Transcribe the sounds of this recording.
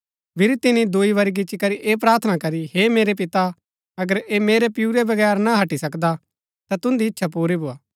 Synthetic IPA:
pʰɪɾt̪ɪnid̪oːiʋɐɾiɡ̬ɪt͡ʃikɐɾiʔeːp̬ɾaːɾt̪ʰənakɐɾiheːmeːɾep̬ɪt̪a | ɐɡəɾeːmeːɾepɪuɾebɐɡɛːɾnaɦɐʈisɐkd̪a | t̪at̪ʊ̃nd̪iɪtːʃʰapuːɾibʊaː

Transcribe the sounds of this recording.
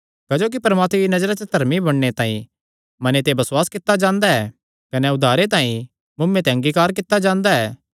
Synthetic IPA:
kɐd͡ʒoːk̬ipɐɾmaːt̪meinɐd͡ʒɾat͡ʃɐt̪ɐɾmibɐɽnet̪ãːḭ̃ | mɐnet̪̬ebɐsʊwaːskɪt̪ːad͡ʒãːnd̪aɛː | kɐnɛʊd̪ʱaːɾet̪ãːĩ | mʊmːẽt̪eɐ̃ŋɡiːkaːɾkɪt̪ːad͡ʒãːnd̪aɛː

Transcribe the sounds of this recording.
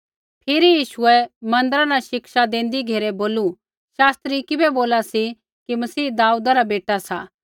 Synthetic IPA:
pʰɪɾijiːʃʊɛmɐ̃nd̪əɾanaʃɪkʃad̪ẽːn̆d̪iɡʱeːɾɛboːlu | ʃaːst̪ɾikɪbɛboːlasi | kimɐsiːd̪aːuːd̪aɾabeːʈasaː

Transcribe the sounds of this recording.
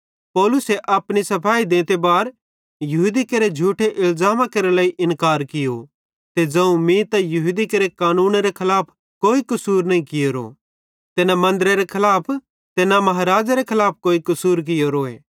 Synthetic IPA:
pɔːlʊseʔɐpɽisɐpʰaːid̪ẽːt̪ebaːɾ | jɐɦud̪ikɐɾed͡ʒʱuːʈʰeʔɪlzaːmakɐɾelaːiʔɪnkaːɾkɪjo | t̪ed͡zɐ̃ũmĩt̪ɐjɐɦud̪ikɐɾekaːnuːnɾekʰɪlaːpʰ | koːikʊsuːɾnɐĩkɪjoɾo̰ː | t̪enamɐ̃nd̪ɾeɾekʰɪlaːpʰ | t̪enamɐɦaɾaːd͡ʒaɾekʰɐlaːp̚ʰkoːikɐsuːɾk̬ɪjoɾoːḛː

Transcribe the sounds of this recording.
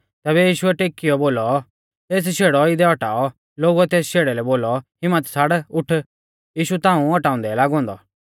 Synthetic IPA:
t̪ɛːβɛjiːʃʊɛʈeːkːɪjɔboːlɔ | t̪eːs̬ʃʰeːɽɔɪd̪ɛɔʈaːɔ | loːɡuɛt̪eːsʃeːɽɛlɛboːlɔhɪmət̪saɽʊʈʰ | jiːʃut̪ãːũɔʈãːʊ̃nd̪ɛlaːɡɦɔ̃ːnd̪ɔ

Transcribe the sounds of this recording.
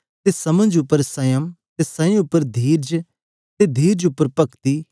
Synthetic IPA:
t̪esɐmə̃nd͡ʒʊpːəɾsɐ̃jəmt̪esɐ̃ĩʊpːəɾd̪ʱiːɾd͡ʒ | t̪ed̪ʱiːɾd͡ʒʊpːəɾpɐkt̪iː

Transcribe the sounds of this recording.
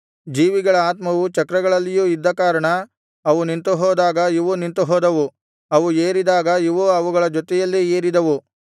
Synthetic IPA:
d͡ʒiːʋiɡɐɭɐaːt̪mɐʋut͡ʃɐkɾɐɡɐɭɐlːijuːid̪ːɐkaːɾɐɳɐ | ɐʋunint̪uɦɔːd̪aːɡɐiʋunint̪uɦɔːd̪ɐʋu | ɐʋueːɾid̪aːɡɐiʋuɐʋuɡɐɭɐd͡ʒɔt̪ɛjɐlːie̞ːɾid̪ɐʋu

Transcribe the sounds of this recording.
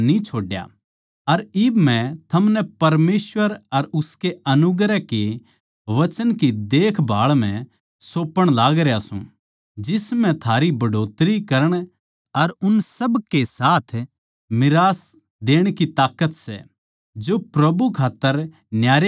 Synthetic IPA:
nit͡ʃʰoːɖja̰ | ɐɾɪbmɛ̃t̪ʰɐmnɛpɐɾmeːsʋəɾɐɾʊskeɐnʊɡɾɛke | ʋɐt͡ʃənkid̪eːkʰbʱaːɭm̤ɛ̃ | soːpəɽ̃laːɡɾjasṵ̃ | d͡ʒɪsmɛ̃t̪ʰaːɾibɐɖoːt̪ɾikɐɾəɽ̃ | ɐɾʊnsɐbkesaːt̪ʰ | mɪɾaːs | d̪eːɽ̃kit̪aːkət̪sɛ̰ | d͡ʒopɾɐbukʰaːt̪ːəɾ | njaːɾ

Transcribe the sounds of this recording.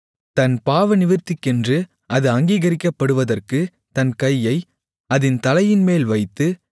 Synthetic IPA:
t̪ɐnpaːʋɐnɪʋɪɾt̪ːɪkːɛndrɯ | ɐðɯɐŋɡiːɣɐɾɪkːɐpːɐɽɯʋɐðɐrkɯ | t̪ɐnkɐjːɐɪ | ɐðɪnt̪ɐlɐjɪnmeːlʋɐɪt̪ːɯ

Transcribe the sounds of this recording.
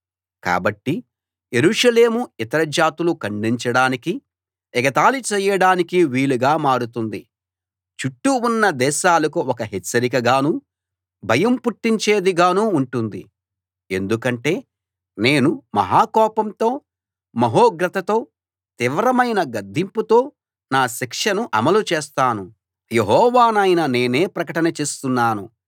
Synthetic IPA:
ka̰ːbɐʈːi | jeɾuːʂɐle̞ːmuit̪ɐɾɐd͡ʒaːt̪ulukɐɳɖiɲt͡ʃɐɽaːniki | ɛɡɐt̪aːlut͡ʃɛːjɐɽaːnikiʋiːluɡaːmaːɽut̪und̪i | t͡ʃuʈːuunːɐd̪ɛːʃaːlɐkuɔkɐɦet͡ʃːɐɾik̬ɐɡaːnuː | bʱɐjɐmpuʈːiɲt͡ʃe̞ːd̪iɡaːnuːɳʈund̪ḭ | e̞nd̪ukɐɳʈe̞ː | ne̞ːnumɐ̰ɦaːkɔːpɐmt̪o̞ː | mɐɦoːɡɾɐt̪ɐt̪o̞ː | t̪iʋɾɐmɐjnɐɡɐd̪ʱːimput̪o̞ː | naːʃikʂɐnuʔɐmɐlut͡ʃeːst̪aːnu | jeɦɔːʋaːnɐjnɐne̞ːne̞ːpɾɐkɐʈɐnɐt͡ʃe̞ːst̪unːaːnu

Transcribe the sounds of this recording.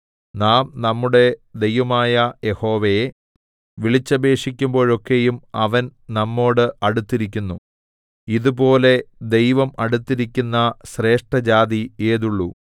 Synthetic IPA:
naːmnɐmːuɽe̞d̪e̞jʋɐmaːjɐje̞ho̞ːʋej | ʋiɭit͡ɕːɐbe̞ːʂik̬ʲːumbo̞ːɻo̞kːe̞jumɐʋɐnnɐmːo̞ːɽɨʔɐɽut̪ːiɾik̬ʲːunːu | iðupo̞ːle̞d̪ejʋɐmɐɽut̪ːiɾikʲːunːɐɕre̞ːʂʈɐd͡ʑaːðie̞ːðuɭːu

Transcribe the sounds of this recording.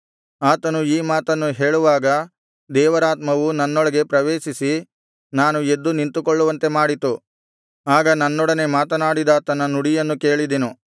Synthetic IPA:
aːt̪ɐnuiːmaːt̪ɐnːuɦe̞ːɭuʋaːɡɐ | d̪ɛːʋɐɾaːt̪mɐʋunɐnːɔɭɐɡe̞pɾɐʋeːʃisi | naːnue̞d̪ːunint̪ukɔɭːuʋɐnt̪e̞maːɽit̪u | aːɡɐnɐnːɔɽɐne̞maːt̪ɐnaːɽid̪ɐt̪ɐnːɐnuɽijɐnːuke̞ːɭid̪inu

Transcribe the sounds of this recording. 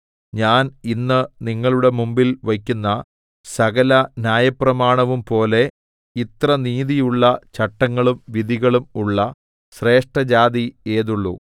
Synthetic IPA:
ɲaːninːɨniŋːɐɭuɽe̞mumbilʋɐkʲːunːɐ | sɐɣɐlɐnjaːjɐprɐmaːɳɐʋumpo̞ːle̞ | it̪rɐniːðijuɭːɐt͡ɕɐʈːɐŋːɐɭumʋiðʱiɣɐɭumuɭːɐ | ɕre̞ːʂʈɐd͡ʑaːðieːðuɭːṵ

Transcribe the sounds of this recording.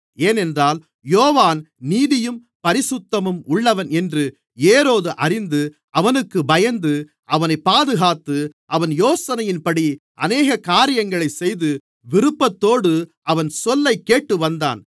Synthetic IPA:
eːnɛndraːl | joːʋaːn | niːðɪjɯm | pɐɾɪsʊt̪ːɐmɯmʊɭːɐʋɐnɛndrɯ | eːɾoːðɯʔɐrɪnd̪ɯ | ɐʋɐnɯkːɯbɐjɐnd̪ɯ | ʔɐʋɐnɐɪpːaːðɯɣaːt̪ːɯʔɐʋɐnjoːsɐnɐjɪnpɐɽiʔɐneːɣɐkaːɾɪjɐŋɡɐɭɐɪsɛjðɯ | ʋɪɾɯpːɐt̪ːoːɽɯʔɐʋɐnsɔlːɐɪkːeːʈːɯʋɐnd̪a̰ːn

